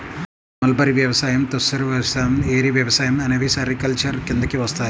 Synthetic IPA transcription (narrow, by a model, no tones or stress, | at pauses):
mɐlbɐɾiʋjɐʋɐsaːjɐmt̪ɐsɐɾʋjɐɐsaːjɐmeːɾiʋjɐʋɐsaːjɐmɐnɐʋisɐrikːɐlt͡ʃɐrkend̪ɐkʲːiʋɐst̪ʰaː